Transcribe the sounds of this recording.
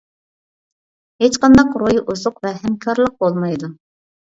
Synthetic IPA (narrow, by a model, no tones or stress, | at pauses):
het͡ʃqɑnd̪ɑqɾojʔuzʊqvɛɦɛmkʰɑɾlˠəq̚bolˠmɑjd̪u